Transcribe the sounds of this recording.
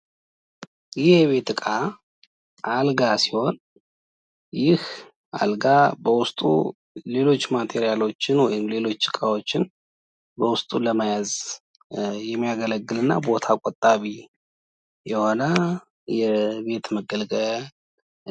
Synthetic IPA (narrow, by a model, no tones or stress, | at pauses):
jɪhjɛβe̞t̪ɨkʼa | ʔalɡasiho̞n | jɪh | ʔa̰lɡabəwʊst̪ʼṵ | le̞lo̞t͡ʃːmat̪ʰe̞ɾijalo̞t͡ʃːɪnwɔjɪmle̞lo̞t͡ʃːt͡ʃɨkʼawo̞t͡ʃːɪn | bəwʊst̪ʼuləmajaz | jɛmːijaɡələɡːɨlɨnːa̰bo̞t̪ʰakʼot̪ʼːaβi | jɛho̞nə | jɛbe̞t̪məɡəlɡəl